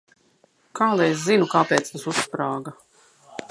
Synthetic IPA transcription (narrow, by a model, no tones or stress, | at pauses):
kʰaːlˠajes̬zinukaːpɛːt̪st̪asuspɾaːɡa